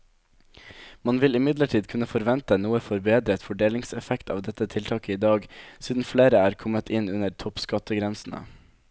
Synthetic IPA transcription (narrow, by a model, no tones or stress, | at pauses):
mɑnʋɪlɪmɪd̪ləʈʰiːd̪kʰʉnəfɔɾʋɛnt̪ənuːəfɔɾbeːd̪ɾət̪fɔɖeːlɪŋsɛfɛkt̪ɑ̰ːʋd̪ɛt̪ːət̪ʰɪlt̪ʰɑːkəiːd̪ɑːɡsiːd̪n̩fleːɾəæːɾkʰɔmət̪ʰɪnʉnəɾt̪ʰɔpskɑt̪ːəɡɾɛnsn̩ə̰